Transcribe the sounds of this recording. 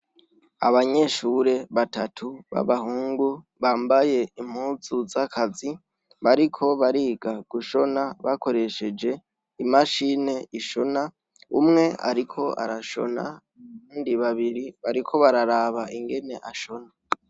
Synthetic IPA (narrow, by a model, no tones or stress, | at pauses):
a̰βaɲe̞ʃuɾe̞βatatʰuβa̰βahuːŋɡu | βaːmbaje̞im̥huːzuzakʰazi | βaɾikʰo̞βaɾiːɡaɡ̥uʃo̞naβako̞ɾe̞ʃe̞d͡ʒe̞ | imaʃine̞iʃo̞na | ṵmŋe̞a̰ɾikʰo̞ʔa̰ɾaʃo̞̰na̰ | βuːndiβaβiɾiβaɾikʰo̞βaɾaɾaβaiŋɡe̞ne̞ʔaʃo̞na